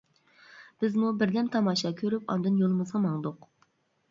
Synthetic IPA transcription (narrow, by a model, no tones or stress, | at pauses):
b̥ɪzmubɪɾd̪ɛmt̪ʰɑmɑːʃɑkʲʰøɾypɑ̰nd̪ɨnjolˠɨmɨzʁɑmɑŋd̪ʊq